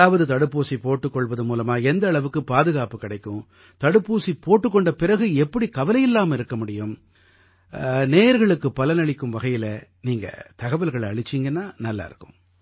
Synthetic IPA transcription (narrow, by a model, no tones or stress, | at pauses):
aːʋɐðɯt̪ɐɽɯpːuːsipoːʈːɯkːɔɭʋɐðɯmuːlɐmaːɛnd̪ɐːɭɐʋɯkːɯpaːðɯɣaːpɯkːɪɽɐɪkːɯ̃ | t̪ɐɽɯpːuːsipoːʈːɯkːɔɳɖɐpɪrɐɣɯɛpːɐɽikɐʋɐlɐjɪlːaːmɪɾɯkːɐmʊɽɪjɯm | neːɐɾɣɐɭɯkːɯpɐlɐnɐɭɪkːɯmʋɐɣɐjɪlɐniːŋɡɐ̰t̪ɐɣɐʋɐlɣɐɭɐɭɪt͡ʃːiŋɡɐnːaːnɐlːa̰ːɪ̰ɾɯkːɯ̥̰̃m